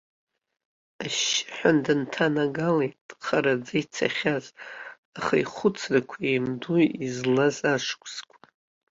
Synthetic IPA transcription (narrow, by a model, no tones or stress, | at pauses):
aʃɪ̥ħʷᶣandɨntʰanaɡalejtqʰaɾad͡zait͡sʰa̰χʲaz | aχaiχʷʊt͡sʰrakʷʰaimduizlazaʂkʷʼz̥kʷʰḁ